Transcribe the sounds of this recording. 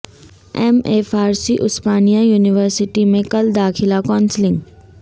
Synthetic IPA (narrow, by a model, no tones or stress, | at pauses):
ɛːmeːfaːɾsiʔʊspaːnijajuːnɪʋəɾsɪʈimẽkɐld̪aːxʰɪlakɔ̃ːnslɪ̃ŋɡ